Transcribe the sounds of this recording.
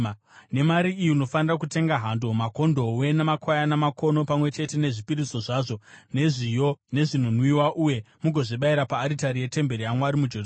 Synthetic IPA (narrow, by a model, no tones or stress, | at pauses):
ne̞maɾiːjino̞fanirak̬ute̞ŋɡaɦando̞mako̞ndo̞we̞nemakʰwajanamakʰo̞no̞pamwe̞t͡ʃe̞te̞ne̞ʐipiɾiso̞ʐaːʐo̞ne̞ʐijo̞ne̞ʐin̤unwiwaʔuje̞ | muɡʱo̞ʐiɓaiɾapaːɾitaɾije̞te̞mbe̞ɾijamwaɾimud͡ʒo